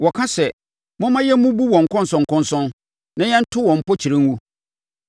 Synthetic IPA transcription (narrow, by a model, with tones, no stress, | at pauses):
wɔ˨kʰã˦sɛ˨ | mʊ̃˦mã˦jɛ˦mũ˦bu˦wɔ̃˨ŋ̩˨kɔ̃˦n˨sʊ̃˨ŋ˨kʊ̃˦nsʊ̃˦n | nã˦jɛ̃˦n̩˦tʰʊ˦wɔ̃˨m̩˨pɔ˦t͡ɕʰi˨ɾẽ˦ŋ˦wu˦